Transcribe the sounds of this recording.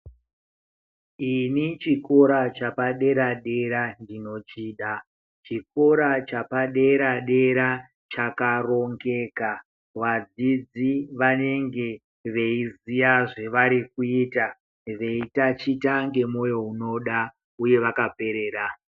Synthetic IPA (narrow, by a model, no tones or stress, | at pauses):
init͡ʃiko̞ɾat͡ʃapaɗe̞ɾaɗe̞ɾandino̞t͡ʃiːɗa | t͡ʃiko̞ɾat͡ʃapaɗe̞ɾaɗe̞ɾa | t͡ʃakaro̞ŋɡe̞ka | ʋad͡zid͡ziʋane̞ŋɡe̞ | ʋe̞izijaʐe̞ʋaɾikuiːta | ʋe̞itat͡ʃitaŋɡe̞mo̞jo̞uno̞ɗa | uje̞ʋakape̞ɾe̞ːɾa